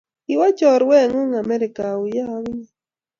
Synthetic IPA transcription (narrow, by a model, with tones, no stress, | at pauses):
i˦wɔ˦t͡ʃɔ˨ɾwɛ˦˨ŋo˦ŋa˨mɛ˦ɾɪ˨ka˨ʊ˨ja˦w